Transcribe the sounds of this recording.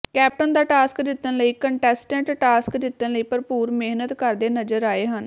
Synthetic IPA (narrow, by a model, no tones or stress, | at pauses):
kɛːp̚ʈənd̪aːʈaːskd̪ɪt̪ːənləiːkəɳʈɛːsʈə̃ɳʈʈaːskd̪ɪt̪ːənləiːpəɾpuːɾmeɦnət̪kəɾd̪eːnəd͡ʒəɾaːeːɦən